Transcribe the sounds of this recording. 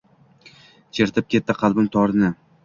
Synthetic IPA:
t͡ʃʰeɾt̪ʰɪp̚kʲʰe̞t̪ːɪqʰɑlˠbɪmt̪ʰɒɾnɪ

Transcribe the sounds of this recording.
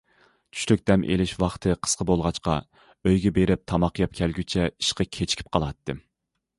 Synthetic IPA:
t͡ʃʰy̥ʃlyk̚ʲd̪̥ɛmʔḛlɪʃwɑχt̪ʰɨqʰə̥sqʰəbolˠʁɑt͡ʃqɑ̰ | øjɡʲɛbeɾɪp̚t̪ʰɑmɑqjɑp̚kʲʰɛlɡʲyt͡ʃʰɛi̥ʃqɑkʲʰet͡ʃʰi̥kʲʰi̥p̚qʰɑlˠɑt̪ːɨ

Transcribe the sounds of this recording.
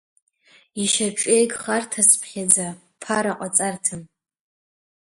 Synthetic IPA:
iʃaʈ͡ʂʼejɡʼχartʰaspʰχʲad͡za | pʰaɾaqʷʼat͡sʼartʰɨm

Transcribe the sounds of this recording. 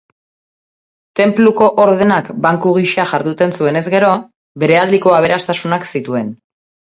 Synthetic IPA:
t̪e̞mpluko̞ʔoɾðe̞nakbaŋkuɣ̞iʃaʝaɾðut̪e̞nsue̞ne̞zɣe̞ɾo̞ | be̞ɾe̞ald̪iko̞aβ̞e̞ɾast̪asunaksit̪ue̞n

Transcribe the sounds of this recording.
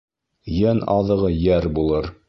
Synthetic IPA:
jænɑ̰ðɤ̆ʁɤjæɾbulˠɤɾ

